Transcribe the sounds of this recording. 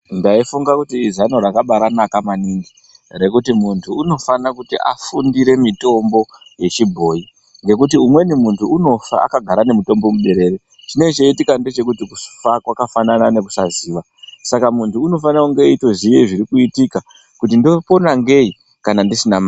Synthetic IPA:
ndaifuŋɡakutiːzanoɾakaɓaɾanakamaniŋɡi | re̞kutimuntʰuːno̞fanakutḭʔa̰fundiɾe̞mito̞mbo̞je̞t͡ʃibʱo̞i | ŋɡe̞kut̬iumwe̞nimuntʰuːno̞fa̰a̰kaɡʱaɾane̞mito̞mbo̞muɓe̞ɾe̞ːɾe | tine̞t͡ʃeitikande̞t͡ʃe̞kutikufakwakafananane̞k̬usaziːʋa | sakamuntʰuːno̞fanakuŋɡe̞ito̞ziʋeiʐiɾikuitika | kutindo̞po̞naŋɡe̞i | kanandisinama

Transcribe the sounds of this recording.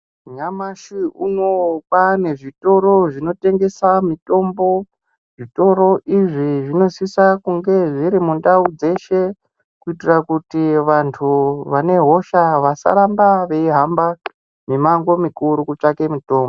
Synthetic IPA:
ɲamaʃiuno̞kwane̞ʐito̞ɾo̞ʐino̞te̞ŋɡe̞samito̞mbo̞ | ʐito̞ɾo̞ʔiʐiʐino̞sisakuŋɡe̞ʐiɾimundaud͡ze̞ʃe̞ | kuitirakutiʋantʰuʋane̞ɦo̞ʃaʋasa̰ɾambaʋe̞iɦamba | mimaŋɡo̞mikuɾukut͡ʂake̞mito̞ːmbo

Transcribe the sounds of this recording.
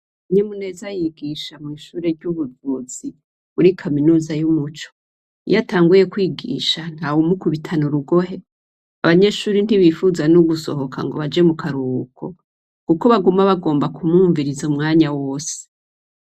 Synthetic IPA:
ɲemune̞zajiɡiːʃamŋiːʃuːɾeɾɟuβuzuz̥i | βuɾikʰaminuːzajumut͡ʃo̥ | ḭjataːŋɡuje̞kwiːɡḭːʃan̥hawumukuβitʰanuɾuɡo̞ɦe̞ | aβaɲe̞ʃuːɾin̥hiβifuzanuɡuso̞̰ɦo̞kʰa̰ŋɡo̞βad͡ʒe̞mukʰaɾukʰo̞ | kuko̞βaɡumaβaɡo̞ːmbakumuːɱviɾizumŋaːɲawo̞ːse̥

